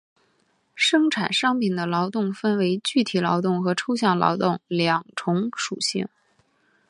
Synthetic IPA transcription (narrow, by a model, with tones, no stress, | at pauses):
ʂɤ˥ŋʈ͡ʂʰa˨˩nʂɑ˥ŋpʰi˨˩nd̪ə˦lɑ˧˥ʊt̪ʊ˥˩ŋfə˥nwe˧˥ɪt͡ɕy˥˩t̪ʰi˨˩lɑ˧˥ʊt̪ʊ˥˩ŋxɤ˧˥ʈ͡ʂʰo˥ʊɕ̬jɑ˥˩ŋlɑ̰˧˥ʊt̪ʊ˥˩ŋljɑ˨˩ŋʈ͡ʂʰʊ˧˥ŋʂṵ˨˩ɕḭ˥˩ŋ